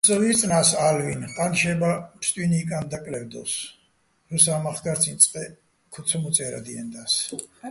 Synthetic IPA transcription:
sɔvit̪sʼnasalvinqʼanʃɛbapʰst̪ʼwinikʼand̪akʼlɛvd̪ɔ̰s | ɾɔsamaχɡaɾsʰint̪sʼqʼɛ | kʰut̪sʰɔmut̪sʼɛɾa̰d̪iɛ̰nd̪as

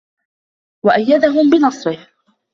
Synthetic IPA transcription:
waʔajːad̪aɦʊmbɪnɑsˤɾɪh

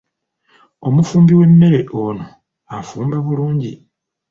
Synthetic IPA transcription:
o̞mufuːmbiwe̞nːe̞ɾe̞ʔono | afuːmbaβuluːɲɟi

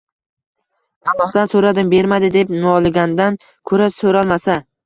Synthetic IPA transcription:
allːˠɒhd̪ansɵɾad̪ɪmbe̞ɾmad̪ɪd̪epnʊɒlˠɪɡʲand̪an | kʰɵɾasɵɾalˠmasa

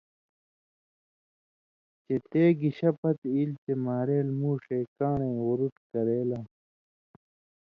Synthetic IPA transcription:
t͡ɕet̪eːɡiɕɐpɐt̪ilt͡ɕemaːɾeːlmuːʂeːkaːnẽːwuɾuʈ̪kɐɾeːlaː

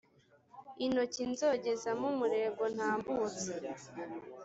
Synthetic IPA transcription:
ino̞cinzo̞ɟezamumuɾe̞ɡo̞n̥haːmbuːt͡se

